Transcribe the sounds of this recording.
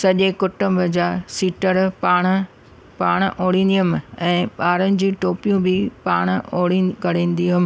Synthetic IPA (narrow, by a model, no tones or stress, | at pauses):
sɐʄekʊʈʊ̃mbʱəd͡ʑaːsiːʈəɾpaːɽ̃ | paːɽ̃ʔoːɽ̃ĩːn̆d̪iəmɛ̃ːɓaːɾənɪ̆d͡ʑĩːʈoːpijũbɪpaːɽ̃oːɽiɡɐɽ̤ẽːnd̪iːʊm